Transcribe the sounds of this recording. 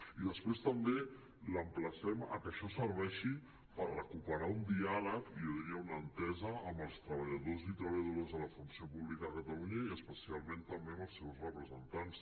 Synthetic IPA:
iðəspɾest̪əmbe | ləmpləsɛmə̰kəʃɔsəɾβɛʃi | pərrəkupəɾaund̪ialəkioðiɾiəunənt̪ɛzəːmbəlˠst̪ɾəβəʎəðozit̪ɾəβəʎəðoozðələfunsiopuβlikəðəkət̪əluɲəiəspəsialˠmẽnt̪əmbeəməlˠsɛwsrəpɾəzənt̪ans

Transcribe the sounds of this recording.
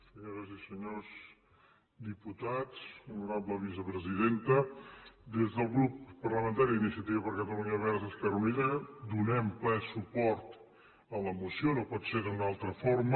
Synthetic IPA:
səɲoɾəzisəɲoz | d̪iput̪at͡sunuɾabləβ̞is̬əpɾəziðent̪əd̪ezðəlˠɣɾupːərləmə̃nt̪aɾiinisiət̪iβəpəɾkət̪əluɲəβɛɾzəskəɾunizəd̪unɛmplɛsupɔɾt̪ | ələmusionopɔt̪seðunalˠt̪ɾəfoɾm

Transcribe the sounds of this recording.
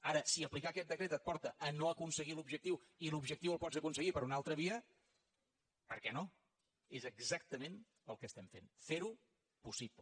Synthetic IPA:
aɾəsiəplikakɛt̪̚d̪əkɾet̪ət̪̚pɔɾt̪əʔːnoəkunsəɣilubʒək̚t̪iw | ilubʒək̚t̪iwəlˠpɔzəkunsəɣipəɾunalˠt̪ɾəβiə | pəɾkɛno | ezəɡzak̚t̪əmen | əlˠkəst̪ɛmfenfeɾu | pusiplə

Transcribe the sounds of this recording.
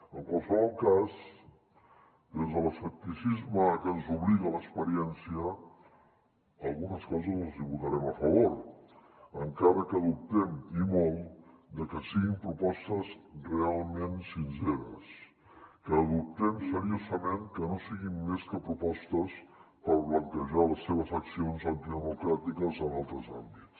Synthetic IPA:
əlpəlˠsəβɔlˠkaz | d̪ezðələfək̚t̪isizməkənzuβliɣələkspəɾiɛnsiə | alˠɣunəskɔzəzləziβut̪aɾɛməfəβ̞oɾ | əŋkaɾəkəðup̚t̪ɛmimolˠ | d̪əkəsiɣimpɾupɔst̪əzrealˠmensinseɾə̰s | kəːðup̚t̪ɛmsəɾiozəmeŋkənosiɣimːeskəpɾupɔst̪əspəɾβləŋkəʒaləsːeβ̞əzəksionzant̪iðəmukɾat̪ikəzənalˠt̪ɾəza̰mbits

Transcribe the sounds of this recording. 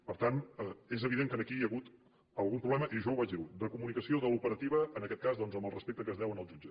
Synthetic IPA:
pəɾt̪anəezəβiðeŋkənəkijəɣut̪ | əlˠɣumpɾuβlɛməʔiʒɔwβat͡ʃjəɣut̪̚d̪əkumunikəsioðəlupəɾət̪iβ̞əənəkɛt̪̚kazðɔnzəmbəlˠrəspek̚t̪əkəzðɛwənəlˠʒud͡ʒə

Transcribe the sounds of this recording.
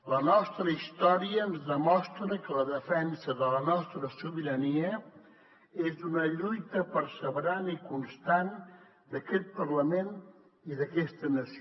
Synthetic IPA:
lənɔst̪ɾəist̪ɔɾiəːnzðəmɔst̪ɾəkələðəfɛnsəðələnɔst̪ɾəsuβiɾəniə | ezunəʎujt̪əpəɾsəβɾanəikunst̪an | d̪əkɛt̪̚pərləmen | iðəkɛst̪ənəsi

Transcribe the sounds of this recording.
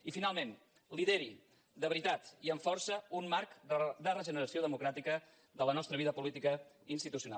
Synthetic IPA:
ifinalˠmen | liðeɾi | d̪əβɾit̪at̪iəɱfɔɾsəunːaɾkd̪ərəʒənəɾəsioðəmukɾat̪ikə | ðələnɔst̪ɾəβiðəpulit̪ikə | inst̪it̪usiuna̰lˠ

